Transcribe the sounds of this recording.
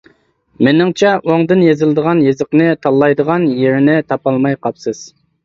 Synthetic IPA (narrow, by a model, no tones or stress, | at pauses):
menɪŋt͡ʃʰɛʔoŋd̪ɨnjezɨlˠɨd̪əʁɑnjezɨqnɨt̪ʰɑlˠːɑjd̪əʁɑnjeɾɪnɪt̪ʰɑpɑlˠmɑjqʰɑpsɨz̥